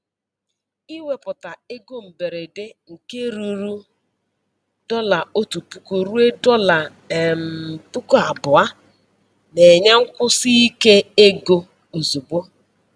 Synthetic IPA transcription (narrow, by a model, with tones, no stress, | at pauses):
i˦we˦pʊ˨ta˨e˦ɡo˦m̩˨be˨ɾe˨de˦ŋ̩˨ke˦ɾu˨ɾu˦ | d̥ɔ˦la˨o˦tu˨pu˦ko˨ɾu˦e˦dɔ˦la˨ | m˨pu˦ko˦a˨bʊ˨a˦ | ne˨ɲe˦ŋ̩˦kʷʊ˦si˦i˦ke˦e˦ɡo˦ | u˨zu˨bo˦